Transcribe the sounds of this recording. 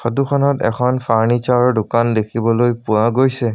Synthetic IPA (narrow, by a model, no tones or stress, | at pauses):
xɔtukʰɔnɔtɛ̰kʰɔnfaɹnit͡ʃaɹdʊkandekʰibɔlojpʊaɡojsɛ